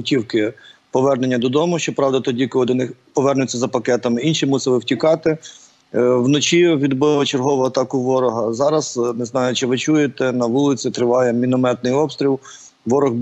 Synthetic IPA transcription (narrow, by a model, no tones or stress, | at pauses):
ʊtʲiwkɪpɔʋɛrnenʲːɐd̪ɔd̪ɔmʊʃt͡ʃɔpɾɑwd̪ɐt̪ɔdʲikɔlˠɪd̪ɔnɪxpɔʋɛrnʊt͡sʲːɐzɐpɐkɛt̪ɐmɪinʃimusɪlˠɪwtʲikɑt̪ɪ | wnɔt͡ʃiʋʲid̪bɪʋˠɐt͡ʃerɦɔʋʊɐt̪ɑkʊʋɔɾɔɦɐzɑɾɐz̥nɪznɑjʊt͡ʃɪʋɪt͡ʃujet̪ɛnɐʋulˠɪt͡sʲit̪ɾɪʋɑjɛmʲinɔmɛt̪nɪjɔpst̪ʲɾʲilˠ | ʋɔɾɔɣ